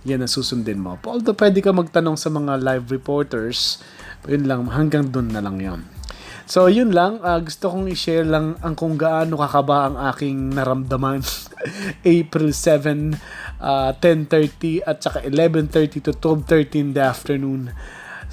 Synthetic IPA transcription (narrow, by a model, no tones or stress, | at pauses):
jɐnːɐsuːsʊnd̪ɛnmo̰pʔold̪opwɛːd̪ɛkɐmɐɡ̚t̪ɐno̞ŋsɐmɐŋalajvɾɛpoɹt̪ɛɹs | jʊnlɐŋɦɐŋɡaŋd̪onːɐlɐ̰ŋjo̰nsojʊnlɐŋaːɡʊst̪okoŋɪʃɛlɐŋʔɐŋkʊŋɡɐʔanːokakɐbaʔɐŋʔaːkɪŋnɐɾɐmd̪ɐman | ʔejpɾɪlsɛvɛ̃nʔaːt̪ɛnt̪ɛɹt̪iʔɐt̪̚t͡ʃɐkaʔɪlɛvɛnt̪ɛɹt̪it̪ut̪wɛb̚t̪ɛɹt̪ĩnd̪ɐʔaft̪ɛɹnun